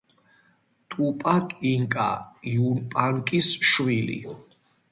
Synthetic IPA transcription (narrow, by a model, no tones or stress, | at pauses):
t̪ʼupʼakʼiŋkʼa̰iunpʼaŋkʼisʃwilḭ